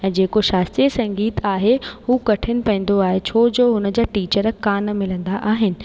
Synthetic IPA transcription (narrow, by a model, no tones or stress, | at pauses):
ɛ̃ːd͡ʑeːkoʃaːst̪iəsɐ̃ŋɡiːt̪aːɦehuːkɐʈʰɪnɪ̆pɐ̃ːn̆d̪oaːɦet͡ɕʰoːd͡ʑoːɦʊnə̆d͡ʑaːʈiːt͡ɕəɾkaːnmɪlə̃nd̪aʔaːɦɪnɪ̆